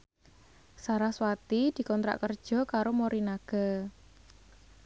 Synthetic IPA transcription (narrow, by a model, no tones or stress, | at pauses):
saɾahswat̪id̪̥i̤kɔnt̪ɾa̰ʔkərd̥ʒ̥ɔ̤kaɾomoɾinaɡ̥a̤